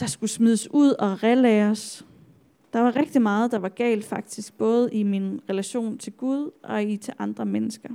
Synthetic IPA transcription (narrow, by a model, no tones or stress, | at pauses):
d̥ɑ̈sɡ̥usmiðˠəsuð̰ˠɒ̽ʁɛlɛːɐs | d̥ɑ̈ʋɑ̈ʁeɡ̥̚d̥imɑ̈ːð̞̩ˠd̥ɑ̈ʋɑ̈ɡ̥ɛ̰ːld̥fɑ̈ɡ̥̚d̥isɡ̥̚b̥ɔ̽ːð̞̩ˠʔiminʁɛlæɕo̝̰ːnt͡sʰe̝lɡ̥uð̞ˠʔɒ̽it͡sʰe̝ʔɑ̈nd̥ʁɐmenəsɡ̥ɐ